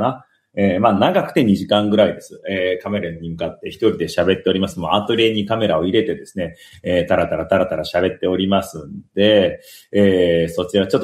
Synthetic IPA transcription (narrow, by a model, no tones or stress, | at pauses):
na | eːmaːnaɡakɯ̟̥t̪e̞ɲ̟iʑikãŋɡɯ̟ɾaid̪e̞sɨeːkame̞ɾaɲ̟imɯ̟kat̪ːe̞çi̥t̪oɾʲid̪e̞ɕabe̞t̪ːe̞o̞ɾʲimasɨmoat̪oɾʲe̞ɲ̟ikame̞ɾao̞iɾe̞t̪e̞d̪e̞sɨne | eːt̪aɾat̪aɾat̪aɾat̪aɾaɕabe̞t̪ːe̞o̞ɾʲimasɨ̃nd̪̥e̞ː | so̞t͡ɕiat͡ɕo̞t̪ː